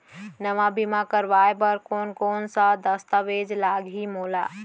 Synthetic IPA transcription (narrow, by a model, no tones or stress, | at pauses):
nəʋabʱimakəɾʋajpəɾkonkonsə̃d̪əst̪əʋed͡ʒlaɡɦimola